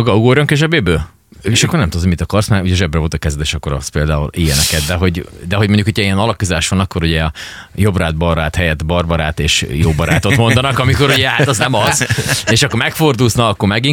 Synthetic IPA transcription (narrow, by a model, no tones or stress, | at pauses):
ɡɒuɡoːɾoŋkeʒɛbeːbøː | eʃɒkːornɛmt̪ud̪oɟmit̪ɒkɒrsmɛuɟɛʒɛbrɛvo̞lt̪ɒkɛzɛd̪eːʃɒkːo̞ɾɒ̰speːld̪a̰ːulijɛnɛkɛd̪d̪ɛɦo̞ɟd̪ɛɦoɟmo̞ɲɟukʰocʰɒiɛnɒlɒkuzaːʃʋɒnɒkːo̞ɾuɟɛ | jo̞braːd̪bɒraːt̪hɛjɛt̪bɒrbɒɾaːt̪eːʃjoːbɒɾaːt̪o̞t̪mo̞nd̪ɒnɒkɒmiko̞ɾuɟɛhat̪ɛznɛmɒzeʃɒkːormɛkfo̞rd̪uːznɒːkːo̞rmɛɡi